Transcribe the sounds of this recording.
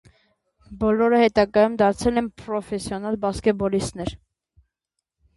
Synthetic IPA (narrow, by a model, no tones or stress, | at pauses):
bɔlɔɾəhɛt̪ɑɡɑjumd̪ɑɾt͡sʰɛlɛnpɾɔfɛsjɔnɑlbɑskɛbɔlist̪nɛɾ